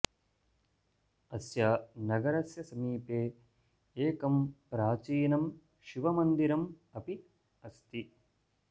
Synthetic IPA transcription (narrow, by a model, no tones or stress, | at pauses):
ɐsjɐnɐɡɐɾɐsjɐsɐmiːpeː | eːkɐmpɾaːt͡ʃiːnɐm | ʃiʋɐmɐnd̪iɾɐm | ɐpi | ɐst̪i